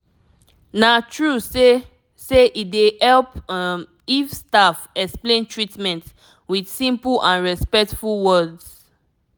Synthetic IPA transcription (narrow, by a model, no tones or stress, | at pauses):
natʰɹuse | seʔidehɛlp | ifstafɛksplẽntʰɹitmɛ̃nt | widsĩmpulʔãnɹɛspɛk̚tfulwɔdz